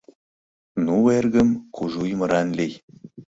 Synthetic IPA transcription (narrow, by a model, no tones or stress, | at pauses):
nuwerɡə̆mkuʒujmɤɾɑnlʲej